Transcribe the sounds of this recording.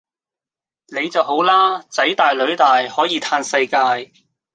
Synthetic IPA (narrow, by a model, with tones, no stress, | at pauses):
ne˨˧jt͡sɐ˨who˨˥wlaː˥t͡sɐ˨˥jt̪aː˨jlɵ˨˥ɥt̪aː˨jhɔː˨˥jiː˨˧t̪ʰaː˧nsɐ˧jkaː˧j